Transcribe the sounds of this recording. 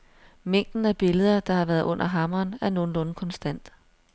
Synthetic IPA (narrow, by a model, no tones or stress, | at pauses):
meŋ̰d̥n̩æb̥e̝ləð̞ˠɐd̥ɑ̈hɑ̈ʋæːɐð̞̩ˠʔɔ̽n̰ʔɐɦɑ̈mɐːnæɐno̝ːn̩lɔ̽ːn̩kʰɒ̽nsd̥æn̰d̥